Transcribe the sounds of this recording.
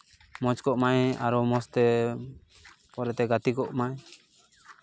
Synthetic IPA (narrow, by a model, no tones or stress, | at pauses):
mɔt͡ʃkɔʔmaja̰ɾɔmɔst̪ɛ | pɔɾɛt̪ɛɡat̪ikɔʔmaɲ